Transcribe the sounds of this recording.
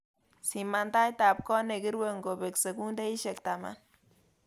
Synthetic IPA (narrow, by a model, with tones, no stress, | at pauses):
si˨ma˧nd̪a˦jt̪a˨p̚ko˦ne˨ɡi˦ɾwe˦ŋɡo˨βe˨kse˨ɡu˦nd̪e˦i˦ʃe˨k̚t̪a˨ma̰˦n